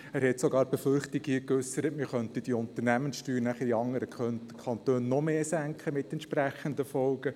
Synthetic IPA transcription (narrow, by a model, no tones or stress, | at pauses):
æɾhɛtsɔɡɑːɾb̥ɛfʏrχtikhiːəkøsːəɾətmɪχœntid̥iʊnt̪ərnæmənsʃtyːɾnæχəiɑŋːəɾəœkʰχɑnt̪øːnːɔmeːsæŋkʰəmɪt̪ɛntʃpræχənd̪əfɔlɡ̥ə